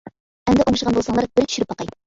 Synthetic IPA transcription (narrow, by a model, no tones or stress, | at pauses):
ɛmd̪ɛʔoŋʃəʁɑnbolˠsɑŋlˠɑɾbɪɾt̪ʰy̥ʃyɪɾɪpːɑqɑj